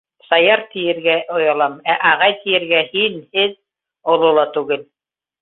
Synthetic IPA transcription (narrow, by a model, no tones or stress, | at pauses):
sɑjɑɾt̪ijɘ̆ɾɡæʔŏjɑlˠɑmæʔɑʁɑjt̪ijɘ̆ɾɡæhinhɘð | ŏlˠolˠɑt̪ʉɡɘl